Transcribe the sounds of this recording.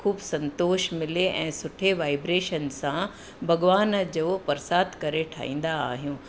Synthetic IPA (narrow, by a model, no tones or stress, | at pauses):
kʰuːbsɐ̃nt̪oːʃmɪleʔɛ̃ːsʊʈʰeʋaːɪbɾeːʃənsã | bʱɐɡʋaːnd͡ʑoːpɐɾsaːt̪kɐɾeʈʰa̰ːɦḭ̃ːn̆d̪aa̰ːɦijũː